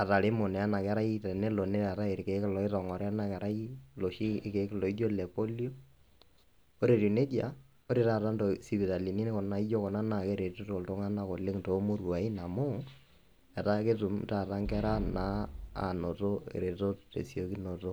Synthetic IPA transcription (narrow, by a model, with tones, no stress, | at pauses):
a˨ta˨ɾe˦mo˨nɛ˨a˦na˨kɛ˦ɾa˦itɛ˨ne˦lo˨ne˦ɾa˨ta˦e˨ɾke˨kɪ˦lɔ˨ɪ˦tɔ˨ŋɔ˨ɾɛ˦a˦na˦kɛ˨ɾa˦i˦lo˨ʃi˦ke˨˦klɔ˨i˦d͡ʒo˦lɛ˨po˦li˦o˦ | o˦ɾe˨tu˨ne˦d͡ʒa̰˨ | o˦ɾe˨˦ta˨ta˦ntɔ˨si˨bi˨ta˨li˨ni˦ne˦kɔ˨na˦i˦d͡ʒo˦kɔ˨na˦na˨ke˦ɾe˨tu˦to˨lto˦ŋa˦na˦ko˨lɪ˦ŋto˨˦mu˦ɾwa˨i˦na˨mo˦ | ɛ˨ta˦ke˦tu˨mta˨ta˦ŋkɛ˦ɾa˦na˦a̰˨no˨to˦ḛ˨ɾe˨to˦tḛ˨sjo˦ki˦no˨to˦